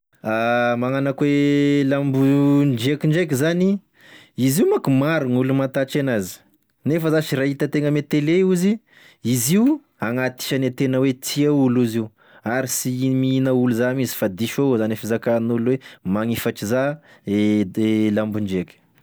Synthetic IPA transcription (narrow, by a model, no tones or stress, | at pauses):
amaŋanakwelambund͡ʒekiɳɖ͡ʐek̬izani | iziumakumaɾuŋulumat̪at͡ʃenazi̥ | nefəzaʃiɾait̪ət̪eŋəmet̪eleuzi | iziu | aŋat̪i̥ʃanat̪enəwet͡s̪ʰiauluziu | aɾisimiinauluzamizi̥fad̪iʃozanefizakanulwemaŋifaʈ͡ʂiza | lambuɳd͡ʒekʲi̥